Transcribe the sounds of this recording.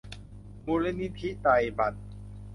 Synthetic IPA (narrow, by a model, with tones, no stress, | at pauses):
mu˧li˦˥ni˦˥t̪ʰi˦˥t̪a˧jba˨˩t̪̚